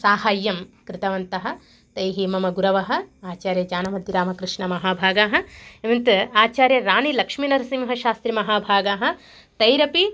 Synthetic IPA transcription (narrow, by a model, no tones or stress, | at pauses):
saːɦaːjːɐmkɾɪt̪ɐʋɐnt̪ɐɦɐ̆ | t̪ɐjɦimɐmɐɡuɾɐʋɐɦɐ̆aːt͡ʃaːɾjɐd͡ʒaːnɐmɐd̪ʱjiɾaːmɐkɾɪʂɳɐmɐɦaːbʱaːɡaːɦɐ̆eʋɐnt̪aːt͡ʃaːɾjɐɾaːɳilɐkʂminɐɾɐsimɦɐʃaːst̪ɾimɐɦaːbʱaːɡaːɦɐ̆ | t̪ɐjɾɐpi